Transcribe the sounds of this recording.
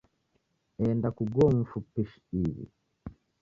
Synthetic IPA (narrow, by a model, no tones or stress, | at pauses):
ɛndakuɡɔɱ̩fupiʃ | iβḭ